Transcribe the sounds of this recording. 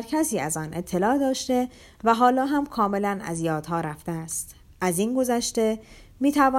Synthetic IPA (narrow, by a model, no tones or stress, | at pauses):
ɾkʰæsiːæzɒːnʔe̞t̪ʰːe̞lɒːd̪ɒːʃt̪e̞ | væɦɒːlɒːɦæmkʰɒːme̞lænæ̰zjɒːd̪̥hɒːɾæft̪eæst̪ | ʔæzinɡo̞zæʃt̪e̞ | miːt̪ʰævɒː